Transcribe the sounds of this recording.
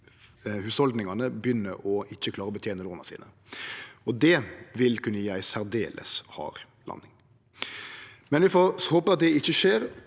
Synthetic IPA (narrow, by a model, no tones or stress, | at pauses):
hʉːshɔld̪nɪŋɑnəbjʏnːəɾʔɔɪçːəkʰlɑːɾəɔbət̪ʰjeːnəloːnɑsḭːnə | ɔd̪ɛʋɪlkʰʉnːəjæɪsæɾd̪ḛːlʔə̰shɑ̰ːɾ | lɑ̰nːɪŋ | mɛnjæfɔhoːpəɑt̪̚d̪ɛɪçːəʃeːɾ